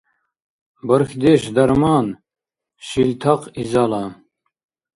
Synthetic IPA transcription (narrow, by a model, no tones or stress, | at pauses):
bəɾxd̪eʃd̪ɐɾmɑːn | ɕilt̪ʰɐqizaːla